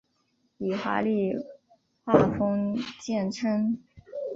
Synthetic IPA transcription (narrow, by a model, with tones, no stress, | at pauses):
i˨˩xwa̰˧˥li˥˧ | xwa˥˩fɤ˥ŋt͡ɕjɛ˥˩nʈ͡ʂʰɤ˥ŋ